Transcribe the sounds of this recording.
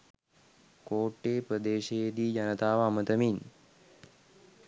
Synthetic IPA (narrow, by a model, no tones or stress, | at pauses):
koːʈːeːpɾəd̪eːʃejd̪iːd͡ʒɐnət̪aːʋaːmət̪əmin